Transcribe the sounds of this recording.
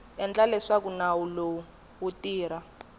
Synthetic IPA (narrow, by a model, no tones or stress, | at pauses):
ɛnd͡ɮalɛʂakunawulo | wutiːɾa